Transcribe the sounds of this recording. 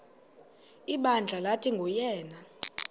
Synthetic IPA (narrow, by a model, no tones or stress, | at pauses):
iɓand͡ɮʱalatʰiŋɡʱɔjɛːna